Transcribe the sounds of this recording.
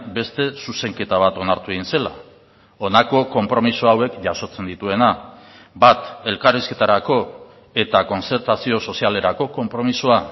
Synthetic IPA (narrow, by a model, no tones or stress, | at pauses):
be̞st̪e̞suse̞ŋke̞t̪aβat̪o̞naɾt̪uðinse̞la | o̞nako̞ko̞mpɾo̞misoawe̞kʝaso̞t͡se̞nd̪it̪ue̞na | bat̪e̞lkariske̞t̪aɾako̞ | e̞t̪ako̞nt͡se̞ɾt̪asio̞so̞siale̞ɾako̞ko̞mpɾo̞misoa